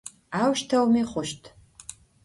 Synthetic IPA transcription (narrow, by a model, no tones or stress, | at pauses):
aːwʃtʰɐwmiːχʷʊʃtʰ